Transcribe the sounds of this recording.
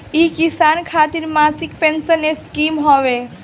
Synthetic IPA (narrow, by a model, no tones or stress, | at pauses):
ikisankʰat̪iɾmasikpensəneskimɦɔʋe